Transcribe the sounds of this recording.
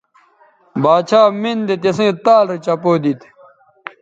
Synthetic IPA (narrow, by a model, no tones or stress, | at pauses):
baːt͡ɕʰaːmind̪et̪esẽːt̪aːlɾit͡ɕɐpoːd̪it̪